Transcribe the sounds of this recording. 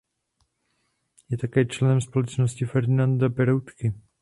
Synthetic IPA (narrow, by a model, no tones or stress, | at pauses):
jɛt̪akɛːt͡ʃlɛnɛmspo̞lɛt͡ʃnoscɪfɛɾd̪ɪnand̪apɛɾowt̪kɪ